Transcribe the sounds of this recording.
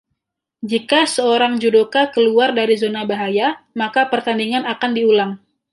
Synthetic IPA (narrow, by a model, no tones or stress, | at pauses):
d͡ʒikasəoɾaŋd͡ʒudokakəluardaɾizonabaɦajamakapərt̪andiŋanakandiulaŋ